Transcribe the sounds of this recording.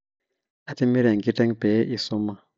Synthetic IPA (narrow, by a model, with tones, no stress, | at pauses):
a˨ti˦mi˦ɾe˨ŋ˨i˦tɛ˦ŋpe˨˦ʔi˦su˦ma˦